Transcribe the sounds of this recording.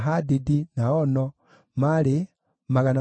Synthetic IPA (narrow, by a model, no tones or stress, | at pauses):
ɦadidinaɔnɔ | mali | maɣana